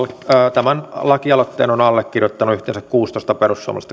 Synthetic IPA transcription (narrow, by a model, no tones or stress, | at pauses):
t̪æmænlɑkiɑlot̪ːḛːnonɑlːekkirjot̪ːɑnuyht̪ḛnsækkuːst̪oˑist̪ɑperusːṵo̰m̰ɑ̰l̰st̪ː